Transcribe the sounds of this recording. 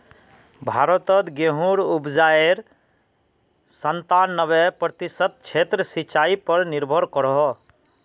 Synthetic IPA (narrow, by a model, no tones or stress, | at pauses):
bʱaɾət̪ət̪ɡeɦuɾubd͡ʒaeɾ | sənt̪anːəβɛpɾət̪isət̪̚t͡ʃʰet̪ɾəsit͡ʃaipəɾniɾbʱəɾkəɾɔɦɔ